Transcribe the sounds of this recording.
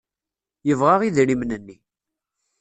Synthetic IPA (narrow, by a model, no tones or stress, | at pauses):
jəvʁaʁiðɾimnənːi